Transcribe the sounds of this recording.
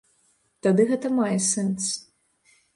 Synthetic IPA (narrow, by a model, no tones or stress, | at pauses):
t̪ad̪ɨɣɛt̪ɐmajɛsɛns